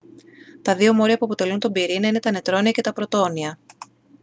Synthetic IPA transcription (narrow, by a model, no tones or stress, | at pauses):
t̪ɐðio̞mo̞ɾiɐpuɐpo̞t̪e̞lunt̪o̞mbiɾinɐine̞t̪ɐne̞t̪ɾo̞niɐce̞t̪ɐpɾo̞t̪o̞niɐ